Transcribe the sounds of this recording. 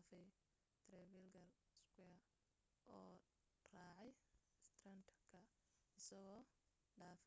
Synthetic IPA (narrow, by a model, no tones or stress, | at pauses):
fɛj | t̪ʰɾɛβɛlɡɐl | skɛ | ʔɔː | raːʕɛj | st̪rɐnt̪kʰɐ | ɪsɐɣɔː | ɖaːf